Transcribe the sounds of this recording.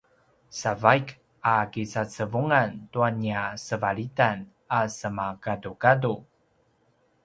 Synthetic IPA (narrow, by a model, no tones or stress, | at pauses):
savajk | akit͡sat͡səvuŋantuaniasəvaɭitan | asəmakadukadu